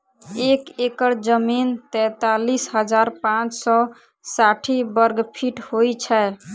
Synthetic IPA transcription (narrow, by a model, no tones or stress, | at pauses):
ekekəɾd͡ʒəmint̪ɛ̃t̪alisɦəd͡ʒaɾpãt͡ʃsɔ | saʈʰibəɾɡpʰiʈhojt͡ʃʰɛ